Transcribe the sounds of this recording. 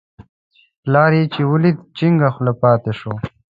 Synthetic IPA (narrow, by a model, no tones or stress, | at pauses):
laːɾit͡ɕiwulit̪t͡ɕiŋɡaxlapɑːt̪eʂoː